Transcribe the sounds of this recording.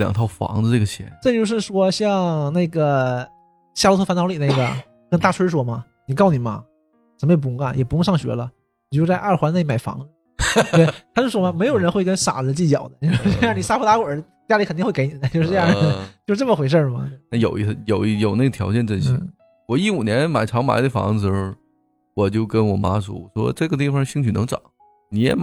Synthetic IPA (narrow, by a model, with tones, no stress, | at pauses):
ljɑ̰˨˩ŋt̪ʰɑ˥˩ʊfɑ̰˧˥ŋdə˧ʈ͡ʂɤ˥˩ɡə˩t͡ɕʰjɛ̰˧˥˦t̪t͡ɕjʂɻ̩˥˩ʂwɔ˥ɕjɑ˥˧ŋna˥˩ɪɡə˩ | ɕja˥˩u˧˥t̪ʰfnɑ˧˥ʊ˥li˨˩na˥˩ɡə̰˩ | kə˥nt̪a˥˩ʈ͡ʂʰwə˥ʂ̬wɔ˥mɐ˧ | ni˨˩kɑ˥˩ʊni˨˩mɐ̰˧ | ʈ͡ʂə˧˩məjɛ˧˩pu˧˥jʊ˥ŋɐ˧˩jɛ˨˩pu˧˥jʊ˥˧ŋʂɑ˥˩ŋɕɥɛ̰˧˥lə˧ | i˨˩t͡ɕo˥˧t͡sa˥˧ɪʔa˥˩xwa˧˥na˥˩i˥˩ma˨˩ɪfɑ̰˧˥ŋ | wɪt̪ʰa˥t͡ɕo˧ʂʂwɔ˥mɐ˧me˧˥ɪjo˨˩ʊɻə˧˥nxwe˥˩ɪkə˥nʂa̰˨˩˦t͡ɕi˥˩t͡ɕjɑ˨˩ʊd̪ə˦t͡ɕo˥˧ʂni˨˩a˥u˧˥t̪a˧˥kwə˨˩˥ | t͡ɕja˥i˧˥kʰt̪i˥˧xe˥˩˧e˧˥ɪni˨˩d̪ə˦t͡ɕjo˥˧ʊʂɻ̩˥˧ʈ͡ʂjɑ˥˩ə˩t͡ɕo˥˧ʂɻ̩˥ʈ͡ʂmə˩xwe˧˥ɪʂ̬ə˥˧˩mɐ̰˨˩˥na˥˩jo˨˩ʊi˥˩s̩˧˩jo˨˩ʊ˥jo˨˩ʊna˥˩ɡə˩t̪ʰjɑ˧˥ʊt͡ɕjɛ˥˧nʈ͡ʂə˥˩nɕḭ˧˥˩ | wɔ˨˩i˥˩u˨˩njɛ˧˥nɛ˥ma˨˩ɪʈ͡ʂʰɑ˧˥ŋma̰˨˧˥ɪd̪ə˧˩fɑ̰˧˥ŋ̩˩˧˥ʂ̩˥˧˩ | wɔ˨˩t͡ɕjo˥˩ʊkə˥nwɔ˨˩ma˥ʂṵ˨˩˨ʂwɔ̰˥ʈ͡ʂɤ˥˩ɡə˩t̪̬i˥˩fɑ˨˩ʂɕi˥ŋt͡ɕʰy˨˩nɤ˧˥ŋʈ͡ʂɑ˨˩˦ʊ | ni˨˧˥jɛ̰˧˥ma˨